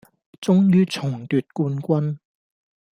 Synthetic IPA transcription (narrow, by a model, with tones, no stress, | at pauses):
t͡sʊ˥ŋjyː˥t͡sʰʊ˨˩ŋt̪yː˨t̚kuː˧nkʷɐ˥n